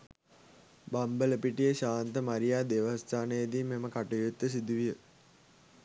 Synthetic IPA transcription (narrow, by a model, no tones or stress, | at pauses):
bambələpiʈijəʃaːnt̪əmaɾijaːd̪eʋəst̪aːnəjəd̪iːmeməkaʈujut̪ːəs̬id̪uʋijə